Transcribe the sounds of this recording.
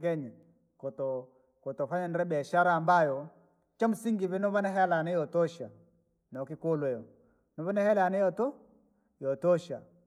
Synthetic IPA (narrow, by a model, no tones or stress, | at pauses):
kɛɲi | kɔtɔ | kɔtɔfaɲanɾɛbɛʃaɾambajɔ | t͡ʃamsiŋɡivɛnɔβanaɦɛlanɛjɔtɔʃa̰ | naɔkɪkolwɛjɔ | nɔβanahɛlanɛjɔtɔ | jɔtɔʃa